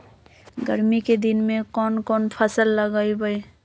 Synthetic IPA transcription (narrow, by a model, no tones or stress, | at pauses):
ɡəɾmiked̪inmẽkɔnkɔnpʰəsəlːəɡaibəj